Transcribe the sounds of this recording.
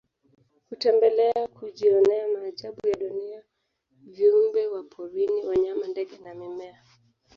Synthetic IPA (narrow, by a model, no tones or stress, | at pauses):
hutɛmbɛlɛakʰuʄiɔnnɛamaːʄaɓujaɗunia | viumbɛwapʰɔɾiniwaɲamandɛɠɛnamimɛa